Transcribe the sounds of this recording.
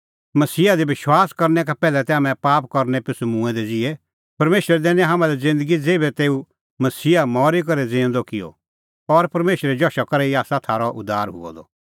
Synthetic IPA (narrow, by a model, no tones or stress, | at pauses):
mɐsiːad̪ibɪʃwaːskɐɾnɛkapɛːlɛt̪ɛamɛ̃paːpkɐɾnɛpɪsumũːɛ̃d̪ɛd͡zɪe | pɐɾmeːʃɾɛd̪ɛːñɦaːmãlɛd͡zɪ̃nd̪əɡid͡zeːbɛt̪eːu | mɐsiːamɔːɾik̬ɐɾɛd͡zẽːnd̪ɔkɪjo̰ | ɔɾpɐɾmeːʃəɾɛd͡ʒɔʃakɐɾeiaːsat̪ʰaːɾɔʔʊd̪aːɾɦʊ̰ɔ̰d̪ɔ̰